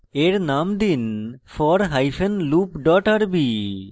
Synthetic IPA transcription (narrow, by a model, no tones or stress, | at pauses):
eɾnamd̪infɔɾɦajfʰenlupɖɔʈaɾbi